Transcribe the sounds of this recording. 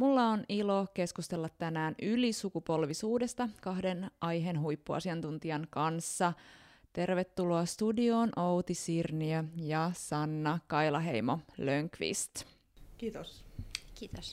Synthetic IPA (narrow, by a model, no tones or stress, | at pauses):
mulːɑonilo̞ke̞skust̪e̞lːɑt̪ːænæːnylisukupo̞lʋisuːde̞st̪ɑkɑhde̞nʔɑjɦenɦujpːuɑ̰siɑnt̪unt̪iɑŋkɑnsːɑt̪e̞rʋet̪ːuloɑst̪udio̞ːnʔowt̪isirniøjɑsɑnːɑkɑjlɑɦe̞̰jmoløŋkʋḭst̪ | kiːt̪osiːt̪s